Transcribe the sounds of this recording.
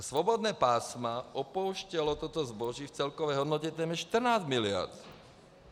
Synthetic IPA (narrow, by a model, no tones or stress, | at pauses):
sʋɔbɔd̪nɛːpaːsmaʔɔpɔʊʃcɛlɔt̪ɔt̪ɔzbɔʒift͡sɛlkɔʋɛjɦɔd̪nɔcɛt̪ɛːmjɛʃt̪r̩naːzmilɪa̰ɾt̪